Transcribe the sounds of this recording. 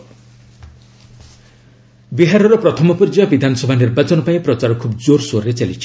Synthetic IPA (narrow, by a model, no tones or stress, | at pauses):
biɦaɾɔɾɔpɾɔt̪ʰɔmɔpurd͡ʒabid̪ʱanɔsɔbʱanirbat͡sɔnɔpaĩpɾɔt͡ʃaɾɔkʰubd͡zoɾsoɾet͡ʃalit͡ʃʰi̥